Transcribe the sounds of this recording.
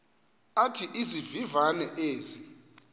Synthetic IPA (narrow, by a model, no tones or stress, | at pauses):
atʰiʔizivivanɛʔeːzi